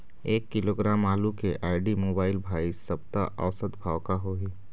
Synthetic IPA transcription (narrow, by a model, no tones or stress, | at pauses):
eːkːɪloːɡɾaːmaːlukeʔaːɪɖimoːbaːɪlbʱaːisɐb̚t̪a̰ʔəʋsəd̪bʱaːʋkaɦoːɦiː